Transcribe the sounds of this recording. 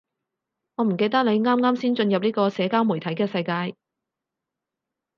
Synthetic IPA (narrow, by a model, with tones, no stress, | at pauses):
ŋɔː˨˧m̩˨˩ke˧jt̪ɐ˥k̚le˨˧jŋaː˥mŋaː˥msiː˥nt͡ʃɵ˧njɐ˨p̚niː˥kɔː˧sɛː˨˧kaː˥wmu˨˩jt̪ʰɐ˨˥jkɛː˧sɐ˧jkaː˧j